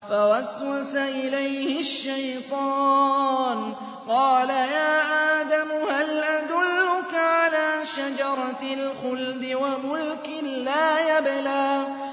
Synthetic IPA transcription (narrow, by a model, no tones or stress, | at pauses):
fawaswasaʔɪlajhɪʃːajt̪ˤɑː | n | qɑːlajaːʔaːd̪amʊhalʔad̪ʊlːʊkaʕalaːʃad͡ʒɑɾˤɑlxʊld̪ɪwamʊlkɪlaːjablaː